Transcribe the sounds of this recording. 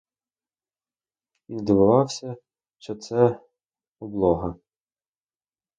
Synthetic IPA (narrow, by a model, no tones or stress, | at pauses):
id̪ɔbʊʋɑwsʲɐ | ʃt͡ʃɔt̪sɛ | ɔblˠɔɦɐ